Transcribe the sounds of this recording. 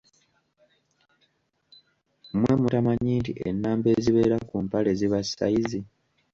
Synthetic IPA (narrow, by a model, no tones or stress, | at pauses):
mwe̞mutamaɲiːntḭʔḛnːaːmbe̞ziβe̞ːɾakumpale̞ziβasa̰jizi